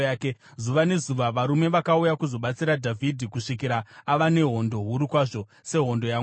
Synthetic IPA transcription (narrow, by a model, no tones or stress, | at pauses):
ke | zuʋane̞zuʋaʋaɾume̞ʋakaujakuzo̞ɓat͡siɾadʱavʱidʱikuʂikiɾaːʋane̞ɦo̞ndo̞ɦuɾikwaʐo̞ | se̞ɦo̞ndo̞ja